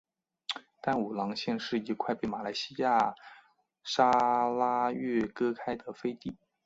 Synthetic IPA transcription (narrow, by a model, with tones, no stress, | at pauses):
t̪a˥˩nu˨˩lɑ˧˥ŋɕjɛ˥˧nʂɻ̩˥˩i˧˥kʰwa˥˧ɪpe˥˩ɪma˨˩la˧˥ɪɕi˥ja˥˩ | ʂa˥la˥ɥɛ˥˩kɤ˥kʰa˥ɪd̪ə˨fe˥ɪt̪i˥˩